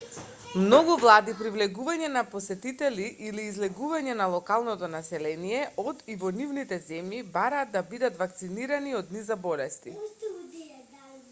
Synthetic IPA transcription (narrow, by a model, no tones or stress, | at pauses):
mnɔɡuvlˠad̪ipɾivlɛɡuvaɲɛnapɔsɛt̪it̪ɛliʔiliːzlɛɡuvaɲɛnalˠɔkalˠnɔt̪ɔnasɛlɛnijɛʔɔd̪ivɔnivnit̪ɛzɛmjibaɾaːd̪ːabid̪at̪vak̚t̪siniɾaniɔd̪̚nizabɔlɛst̪i